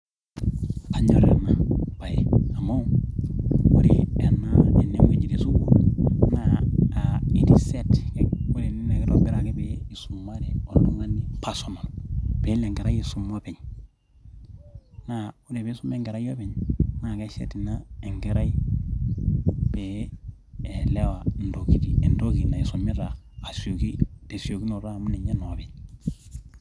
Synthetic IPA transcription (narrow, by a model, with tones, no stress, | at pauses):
a˨ɲo̰˨ɾḛ˨na˨b̥a˨jḛ˨a˨mo˦ | ṵ˦ɾḭe˨nae˨nːe˦mwi˨ɲi˨di˦su˦wunaː | i˨di˨se˦tkeu˦ɾinine˦ke˦ɾobi˦ɾa˨ke˦bei˨su˨mːa˦ɾe˨o˨lo˦ŋɡa˦nːipa˨so˨ma˨lob̥e˨˦le˨ŋɡe˨ɾa˦ji˨su˨mːo˦be˨ɲ | nau˦de˨be˦su˦mːe˦ŋɡe˨ɾa˦jo˦be˨ɲna˨ke˦sḛ˦ti˨na˦e˨ŋɡe˦ɾa˦ji | b̥e | e˨le˦wando˨ki˨tie˨ndo˦ki˨na˨i˨su˨mːe˦ɾaː˨ | so˨ki˦de˨si˨o˨ki˦no˨ɾa˦˨mu˦ne˨ɲe˦no˨be˨ɲ